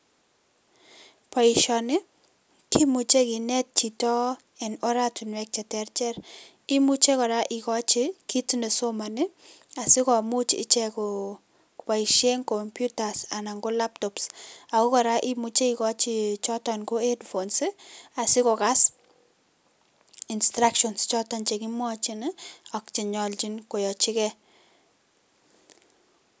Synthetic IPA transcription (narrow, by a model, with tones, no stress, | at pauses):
pa˨i˨ʃɔ˨nɪ˦ | ki˦mu˨t͡ʃe˦ki˨nɛ˦t̚t͡ʃi˨tɔ˦ | ɛ˨nɔ˦ɾa˦tu˨nwɛ˨k̚t͡ʃɛ˨tɛ˦rt͡ʃɛ˦ɾ | i˦mu˦t͡ʃe˦kɔ˨ɾa˦ʔɪ˨kɔ˦t͡ʃɪ˦ki˦tne˨so˦ma˨nɪ˦ | a˨sɪ˦kɔ˨mu˦t͡ʃɪ̰˦t͡ʃɛ˦ko | pa˨i˨ʃe˦ŋkɔ˨mpju˦ta˨sa˨na˨ŋɡo˦la˦p̚tɔpsa˨ko˦kɔ˨ɾa˦ʔi˦mu˨t͡ʃe˦ikɔ˦t͡ʃi˦t͡ʃɔ˦tɔnko˦e˦dfonsɪ˦a˨sɪ˦ko˨ka˦s | instɾakʃɔnst͡ʃɔtant͡ʃe˨kimwɔt͡ʃi˦nɔ˨kt͡ʃi˨ɲɔ˨lt͡ʃi˦nko˨jɔ˨t͡ʃi˦kɛ